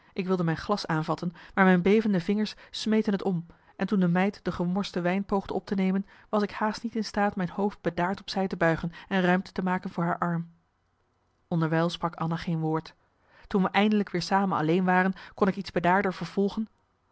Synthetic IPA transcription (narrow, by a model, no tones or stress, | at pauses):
ʔɪkʋɪlˠdəmɛjnχlɑsaːnvɑtənmaːɹmɛjnbejvəndəvɪŋəɹssmejtənətɔm | ʔɛntundəmɛjtd̥əχəmɔɹstəʋɛjnpowχdəɔp̚tənejmən | ʋɑsɪkhaːstnitɪnstaːtmɛjnhowft̚b̥ədaːɹtɔpsɛjtəbœɥχənɛnrœɥmtə̥təmaːkənvʊːɹɦaːɹʔɑɹm | ʔɔndəɹʋɛjlˠsprɑkɑ̰naχejnʋʊːɹt | tunʋəʔɛjndələkʋɪːɹsaːmənɑ̰lejnʋaːrənkɔnɪkidz̥bədaːɹdəɹvəɹv̥ɔlˠχən